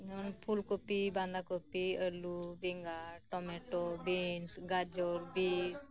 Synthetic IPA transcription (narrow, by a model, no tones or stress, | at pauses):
nɔnpʰulkopiband̪akopiəlubiŋɡaʈɔmeʈɔbinsɡad͡ʒɔɾbi